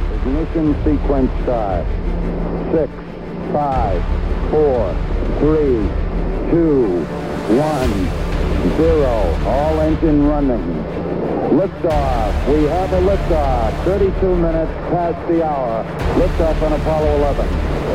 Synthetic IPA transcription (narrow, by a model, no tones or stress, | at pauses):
ɨkmɪʃɨ̃nsikʰwɨ̃nsaɹt | sɪks | faɪv̥fɔɹθɹi | tʰu | wʌ̃n | zɪɹoʊɔlˠɛ̃nd͡ʒɨ̃nɹʌ̃nɪ̃ŋ | z̥ | lʊk̚tɔfwiəvəlʊk̚tʌθɜ˞ɾitʰumɪ̃ñɨtspʰæs̚ðiaʊə˞ | lʊk̚tʌpə̃ñəfɑlˠoʊəlɛvə̃n